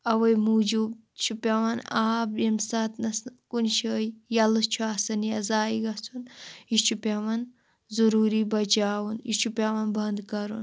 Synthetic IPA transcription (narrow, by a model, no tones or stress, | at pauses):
ɐwɐjmud͡ʒub | t͡ʃʰupʲɐʋɐnaːbjimsɐt̪nɐskunʃəːjjɐlɨt͡ʃʰuaːsɐnjɐzaːiɡɐsʰunit͡ʃʰupʲɐʋɐn | zuɾuːɾibɐd͡ʒaːwunit͡ʃʰupʲɐʋɐnbɐnd̪kɐɾṵn